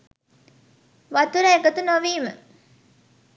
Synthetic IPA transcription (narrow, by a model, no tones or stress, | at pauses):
ʋat̪uɾəeɡət̪unoʋiːmə